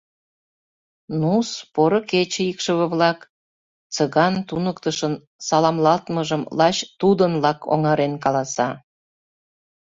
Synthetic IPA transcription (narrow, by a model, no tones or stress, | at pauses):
nuspoɾoket͡ɕəikʃəβə̆βlɑk | t͡səɣɑnt̪unəkt̪əʃən | sɑlɑmlɑlt̪məʒəmlɑt͡ɕt̪ud̪ənlɑkʰo̰ŋɑɾenkɑlɑsɑ